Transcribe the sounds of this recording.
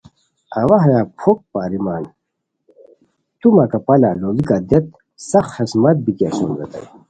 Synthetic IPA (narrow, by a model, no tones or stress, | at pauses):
ɐwɐɦɾaːpʰok̚paːɾimaːn | t̪umakapɐlaloːbikad̪et̪̚ | sɐxhesmɐt̪̚bit̪iasonɾɐ̰t̪ɐ̰j